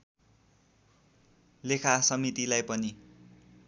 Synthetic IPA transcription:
lekʰasʌmit̪ilajpʌni

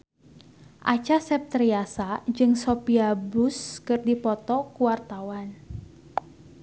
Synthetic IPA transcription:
ʔat͡ʃasɛp̚t̪ɾiasad͡ʒɨŋsopiabʊskɨrdipɔt̪ɔkuwart̪awan

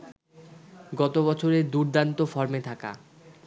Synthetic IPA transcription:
ɡɔt̪obɔt͡ɕʰoɾeɾd̪uɾd̪ant̪ofɔɾmet̪ʰaka̰

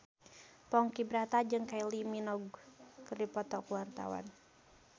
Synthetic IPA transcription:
pɔŋkibɾat̪ad͡ʒɨŋkailiminɔɡkərdipɔt̪ɔkuwart̪a̰wa̰n

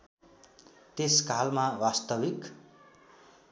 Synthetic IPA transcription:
t̪eskalmawast̪ʌbik

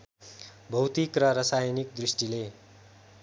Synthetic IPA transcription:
bʱʌwt̪ikrʌɾʌsajnik̚d̪risʈile

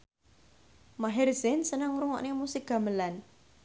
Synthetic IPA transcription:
maɦɪrzɪnsənəŋɾuŋɔ̰ʔnemusɪk̚ɡ̥a̤məlan

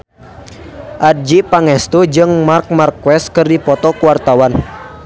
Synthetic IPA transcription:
ʔad̚d͡ʒipaŋɛst̪ud͡ʒɨŋmark̚markːwɛs̚kɨrdipɔt̪ɔkuwart̪awan

